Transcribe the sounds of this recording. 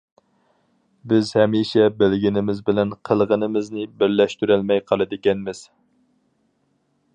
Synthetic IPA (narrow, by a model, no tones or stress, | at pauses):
bɪzhɛmiʃɛbɪlɡʲinɪmɪzbɪlɛnqʰəlˠʁənɨmɪznɪbɪɾlɛʃt̪yɾælmɛjqʰɑlˠɨd̪ɪkʲɛnmɪz̥